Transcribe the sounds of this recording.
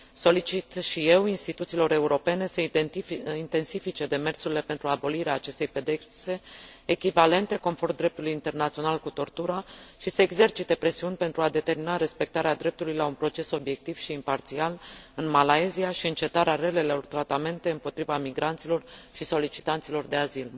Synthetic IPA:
so̞lit͡ʃit̪ʃije̞winst̪it̪ut̪silo̞ɾe̞uɾo̞pe̞ne̞sə | int̪e̞nsifit͡ʃe̞d̪e̞me̞rsuɾile̞pe̞nt̪ɾuabo̞liɾeaːt͡ʃe̞st̪e̞jpe̞d̪ekse̞ekʲivale̞nt̪e̞ko̞nfo̞rmd̪ɾe̞p̚t̪ulujint̪e̞rnat̪sio̞nalkut̪o̞rt̪uɾaʃisəeɡze̞rt͡ʃit̪e̞pɾe̞siunʲpe̞nt̪ɾuad̪e̞t̪e̞rminaɾe̞spek̚t̪aɾead̪ɾe̞p̚t̪ulujlaunpɾo̞t͡ʃe̞so̞bje̞k̚t̪iv̥ʃiːmpart̪sialɨnmalaeziaʃiɨnt͡ʃe̞t̪aɾeare̞le̞lelort̪ɾat̪ame̞nt̪e̞ɨmpo̞t̪ɾivamiɡɾant̪silo̞rʃiso̞lit͡ʃi̥t̪ant̪silo̞rd̪e̞azil

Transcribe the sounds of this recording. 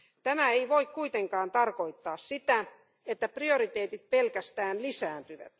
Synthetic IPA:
t̪æmæeiʋoikkuit̪eŋkɑːnt̪ɑrkoit̪ːɑːssit̪æ | et̪ːæprioɾit̪eːt̪it̪̚pelkæst̪æːnlisæːnt̪yʋæ̰t̪

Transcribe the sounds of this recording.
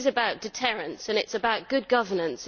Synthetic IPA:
zɨbaʊt̚d̥ɨtʰɜɹɨ̃nsɨ̃nɪtsəbaʊt̚ɡ̥ʊd̚ɡʌvə˞nə̃ns

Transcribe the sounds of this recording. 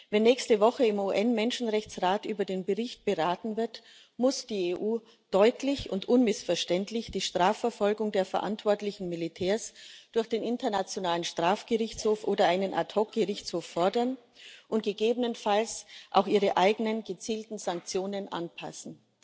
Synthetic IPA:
vɛnːɛːçstəvɔχəɪmuːʔɛnmɛnʃn̩ʁɛçt͡sʁaːtʔyːbɐdeːnbəʁɪçt̚b̥əʁaːtn̩vɪɐt | mʊsd̥iːeʔuː | d̥ɔʏtʰlɪçʊntʔʊnmɪsfɛɐʃtɛntlɪçd̥iːʃtʁ̥aːfɛɐfɔlɡʊŋdeːɐfɛɐʔa̰ntv̥ɔɐtlɪçn̩mɪlitʰɛːɐsd̥ʊɐçd̥eːnɪntɐnat͡sjonaːlənʃtʁ̥aːfɡ̥əʁɪçt͡shoːfʔoːdɐʔaɪnənʔa̰tʰɔk̚ɡ̥əʁɪçt͡shoːfːɔɐdɐn | ʔʊnt̚ɡ̥əɡeːbənənfalsʔa̰ʊxʔiːʁəʔaɪɡənənɡət͡siːltn̩zaŋk̚t͡sjoːnənʔa̰npʰa̰sn̩

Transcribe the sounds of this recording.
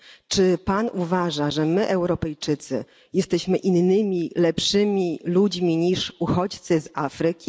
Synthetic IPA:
t͡ʂɘpanuvaʐaʐɛmɘʔɛwɾɔpɛjt͡ʂɘt̪sɘ̰ | jɛst̪ɛɕmɘʔinːɘmʲilɛpʂɘmʲilud͡ʑmʲiɲiʂuxɔt͡ɕt̪sɘzafɾɘkʲi

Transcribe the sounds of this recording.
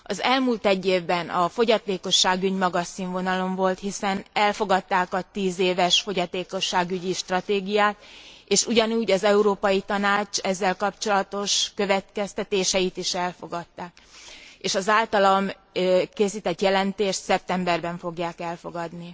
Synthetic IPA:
ɒzɛlmuːlt̪ɛɟːeːvbɛnɒfo̞ɟɒt̪eːko̞ʃːaːɡyɟmɒɡɒsiːɱvo̞nɒlo̞ɱvo̞lt̪hisɛnɛlfo̞ɡɒt̪ːaːkɒt̪iːzeːvɛʃfo̞ɟɒt̪eːko̞ʃːaːɡyɟiʃt̪rɒt̪eːɡijaːt̪eːʃuɟɒnuːɟɒzɛuɾoːpɒjit̪ɒnaːt͡ʃɛzːɛlkɒpt͡ʃo̞lɒt̪o̞ʃkø̞vɛt̪kɛst̪ɛt̪eːʃɛit̪iʃɛlfo̞̰ɡɒt̪ːaːk̚ | eːʃɒzaːlt̪ɒlɒm | keːsiːt̪ɛt̪jɛlɛnt̪eːʃt̪sɛp̚t̪ɛmbɛrbɛɱfo̞ɡjaːkɛlfo̞ɡɒd̪ni

